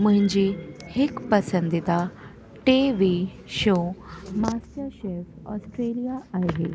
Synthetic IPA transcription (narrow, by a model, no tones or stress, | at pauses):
məɲd͡ʑihekpəsənd̪it̪a | ʈeʋi | ɕomasjaɕefɔsʈɾelijaajɦḛ